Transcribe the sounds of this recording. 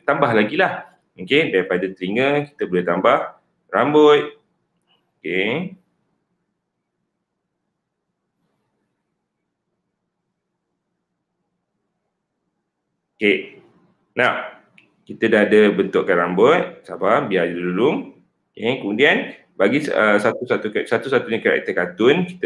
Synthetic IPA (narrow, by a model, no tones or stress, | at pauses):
t̪ambahlaɡilah | mokedaɾipadat̪ɾiŋəki̥t̪əbəlet̪ambah | rambʊt̪̚ | oke | oke | naw | kit̪ədahadəbənt̪ʊʔkːanrambʊt̪̚sabambiadiululʊŋ | okekəmudian | baɡisəsat̪usat̪uksat̪usat̪uɲakəɾa̰ʔkit̪əkat̪ʊnki̥t̪